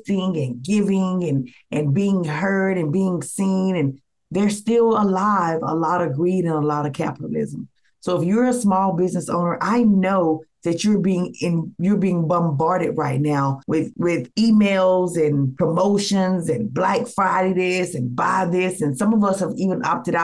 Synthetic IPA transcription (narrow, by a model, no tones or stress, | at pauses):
θɪ̃ŋɨ̃nɡɪvɪ̃ŋɨ̃n | ʔɨ̃nbiɪ̃ŋɦɜ˞ɾɨ̃nbiɪ̃ŋsĩnɨ̃n | ðə˞stɪlˠəlaɪvə̰lɔɾʌɡɹiɾɨ̃nəlɔɾʌv̥kʰæ̰pəɾl̩ˠɪ̰zə̃m̩ | soʊəfjə˞ɨsmɔlˠbɪznɨsõ̰ʊ̃nə˞ʔaɪnoʊðɨt͡ʃə˞biɪ̃ŋɪ̃njə˞biɪ̃ŋbʌ̃mbɑɹɾɨd̚ɹaɪtⁿnaʊwɪðwɪðimeɪlˠzɨ̃npʰɹ̥əmoʊʃɨ̃nzɨ̃nblækfɹaɪɾiɾɪsɨ̃nba̰ɪðɪsɨ̃nsʌ̃mʌvʌshəvivɨ̃nʔɑ̰p̚tɨɾa